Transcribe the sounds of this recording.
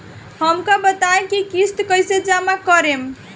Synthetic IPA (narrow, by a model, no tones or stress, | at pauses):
həmkəbət̪aẽkikist̪kəjsed͡ʒamakəɾem